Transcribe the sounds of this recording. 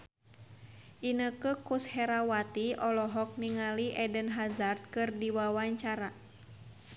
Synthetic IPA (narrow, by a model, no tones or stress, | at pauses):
ʔinəkəkushɛɾawat̪iɔlɔɦɔk̚niŋaliʔɛdənɦazart̪̚kɨrdiwawaɲt͡ʃaɾa